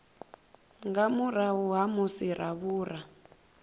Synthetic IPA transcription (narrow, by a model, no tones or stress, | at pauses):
ŋɡamurauɦamusiɾaβuːra